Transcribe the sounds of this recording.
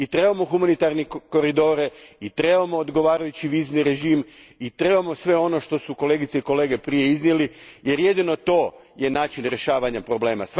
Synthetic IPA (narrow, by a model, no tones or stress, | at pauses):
it̪ɾe̞bamo̞xumanit̪aɾniko̞ɾid̪o̞ːɾeit̪ɾe̞bamo̞ːd̪ɡo̞ʋaːɾajut͡ɕiʋiːzniɾe̞ʒiːm | it̪ɾe̞bamo̞sʋe̞o̞no̞ʃt̪o̞suko̞le̞ːɡit̪seiko̞le̞ːɡe̞pɾije̞iznjelije̞ɾje̞d̪ino̞t̪o̞ːje̞naːt͡ʃinɾe̞ʃaːʋaɲapɾo̞ble̞ːma̰s